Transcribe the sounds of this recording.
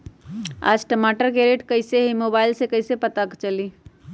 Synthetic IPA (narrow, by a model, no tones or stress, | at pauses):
a̰ːd͡ʒʈəmaːʈəɾkeɾeːʈkɐiseɦimoːbaːɪlsekɐɪsepɐt̪akt͡ʃɐli